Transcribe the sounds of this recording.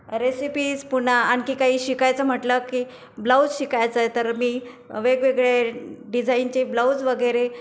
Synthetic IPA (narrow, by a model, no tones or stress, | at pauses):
ɾesipiːspun̤aankiːkaɦiːɕikajt͡səm̤əʈləkiː | blawd͡zɕikajt͡səjt̪əɾmiː | ʋeɡʋeɡɭeɖid͡zʱaint͡ɕeblawd͡zʋəɡəɾe